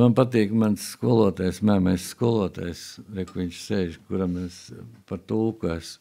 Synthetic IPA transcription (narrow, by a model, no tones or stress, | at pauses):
manpat̪iːkmansskuɔlˠuɔt̪ajsmæːmɛjsskuɔlˠuɔt̪a̰jsɾɛkʋiɲʲt͡ʃsɛjʒkuɾamenspaɾt̪ulˠkɔjs